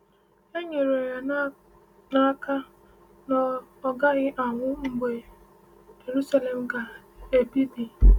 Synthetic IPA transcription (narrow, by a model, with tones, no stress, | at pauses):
e˦ɲe˨ɾo˨ja˨na˦ | la˦ka˦ | nɔ˨ɔ˦ɡa˦ɣɪ˦ʔa˨ŋʷʊ˦m̩˨be˨ | d͡ʒe˨ɾu˦sa˦le˨m̩˦ɡa˨ | e˨bi˦di˨